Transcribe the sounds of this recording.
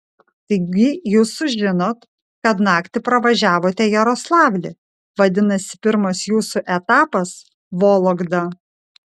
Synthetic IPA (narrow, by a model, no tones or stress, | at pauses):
t̪ɐɪɡʲɪjuːsʊʒʲʒʲɪnoːt̪ | kɐt̪nɑːkt̪ʲɪpɾɐʋɐʒʲæːʋoːt̪ʲɛjɛɾoːslˠɑːʋʲlʲɪ | ʋɐd̪ʲɪnɐsʲɪ̥pʲɪɾmɐsjuːsuʔɛt̪ɑːpɐs | ʋoːlˠoɡd̪ɐ